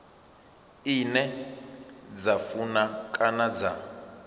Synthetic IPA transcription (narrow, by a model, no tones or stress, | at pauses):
inɛ | d͡zafunakʼanad͡za